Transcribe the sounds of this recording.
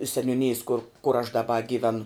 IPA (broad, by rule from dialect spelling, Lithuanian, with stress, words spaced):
sʲɛnʲuːˈnʲɪjeːs kʊr kʊr ɐʃ dɐˈbɐ ɡʲiːˈʋʲæːnʊ